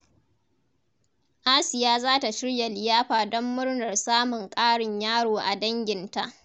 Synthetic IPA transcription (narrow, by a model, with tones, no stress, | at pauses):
ʔaː˦sɪ˨jaː˦zaː˦ta˨ʃɪ˦ɽja˨lɪ˨jaː˦ɸaː˨dɔ˦mːʊ˦ɽnɐ˨rsaː˦mʊ˨ŋkʼaː˦ɽɪ˨ɲjaː˦ɽoː˨ʔa˨dɐ˦ŋɡʲɪ˨nta˦ʔ